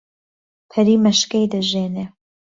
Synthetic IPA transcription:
pʰɐɾiːmɐʃkɐjd̪ɐʒeːne

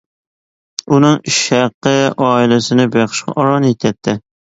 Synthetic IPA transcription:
unɨŋiʃæqːəɑːilɪsɪnɪbeχʃqɑ̰ʔɑɾɑnjet̪ʰɛt̪̚ʰːɪ

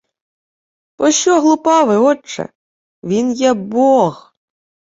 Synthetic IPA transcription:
pɔʃt͡ʃɔɦlˠʊpɑʋɪɔt͡ʃːɛ̰ | ʋʲinjɛbɔx

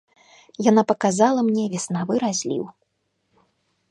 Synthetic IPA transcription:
janapɐkazalˠɐmnʲɛvʲɛsnavɨɾazʲlʲḭw

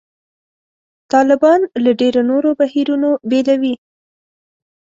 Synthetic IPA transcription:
t̪ɑlɪbɑnlaɖeɾonoɾobahiɾunobelawi

